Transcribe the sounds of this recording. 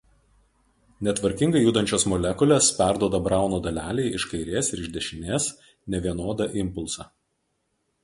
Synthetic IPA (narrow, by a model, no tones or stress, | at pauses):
nʲɛt̪ʋɐɾʲkʲɪŋɡɐɪjuːd̪ɐnʲt͡ʃʲoːsmɔlʲɛkʊlʲeːspʲæˑɾd̪uɔd̪ɐbɾɑˑʊnoːd̪ɐlʲæːlʲɛɪɪʃkɐɪɾʲeːsɪɾɪʒʲd̪ʲɛʃʲɪnʲeːs | nʲɛʋʲiɛnoːd̪ɑʔɪmpʊlˠsɑ